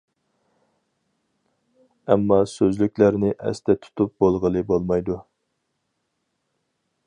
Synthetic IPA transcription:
ɛ̰mːɑsøzlykʲlæɾnɪʔɛ̰st̪ʰɛt̪ʰu̥t̪ʰup̚bolˠʁəlˠɨbolˠmɑjd̪u

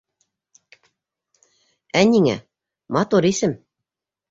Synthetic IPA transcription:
ænʲiŋæ̰ | mɑt̪uɾisɘ̆m

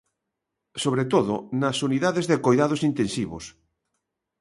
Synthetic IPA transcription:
soβɾet̪oðo̰nɐsuniðaðezðekojðað̞osint̪ẽnsiβ̞o̰s

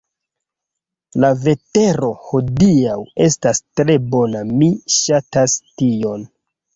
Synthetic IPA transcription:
lave̞te̞ɾo̞ho̞diawe̞stastɾe̞bo̞namiʃatastio̞n

